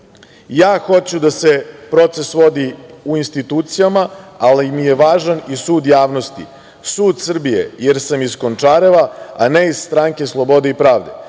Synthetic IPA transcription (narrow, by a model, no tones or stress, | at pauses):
jaːxo̞t͡ɕud̪ase̞pɾo̞t̪se̞sʋo̞d̪iuinst̪it̪uːt̪sijamaalimije̞ʋaːʒanisuːd̪jaːʋnost̪ḭ | suːd̪sr̩bijḛjeɾsamizkont͡ʂaːɾeʋaaneizst̪ɾaŋke̞slˠobo̞d̪eipɾaːʋd̪e̞